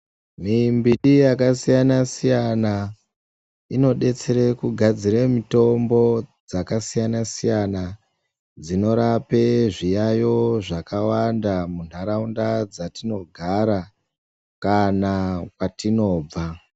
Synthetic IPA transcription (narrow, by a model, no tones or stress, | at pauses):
mimbiɗijakasijanasijana | ino̞ɗe̞t͡se̞ɾekuɡʱad͡ziremito̞mbo̞d͡zakasijanasijana | d͡zino̞ɾape̞ʐijajo̞ʐakawandamun̤aɾaundad͡zatino̞ɡʱaɾa | kanakwatino̞ːb͡va